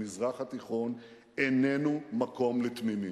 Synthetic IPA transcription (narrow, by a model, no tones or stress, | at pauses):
mizʁaχat̪iχo̞n | enenumako̞mlet̪mimi